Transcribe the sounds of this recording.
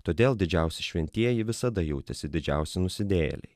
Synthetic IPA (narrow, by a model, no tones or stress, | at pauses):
t̪oːd̪ʲeːlˠd̪ʲɪd͡ʒʲɛˑʊsʲɪʃʲʋʲɛnʲt̪ʲiɛjɪʋʲɪsɐd̪ɐjuʊt̪ʲɛsʲɪd̪ʲɪd͡ʒʲɛʊsʲɪnʊsʲɪd̪ʲeːjɛ̰lʲɛ̰ɪ